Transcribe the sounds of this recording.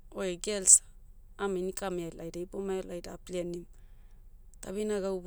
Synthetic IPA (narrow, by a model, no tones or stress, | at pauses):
oeɡelsḁ | aminikamalajdaipomaelajdaplenim | taβinaɡawb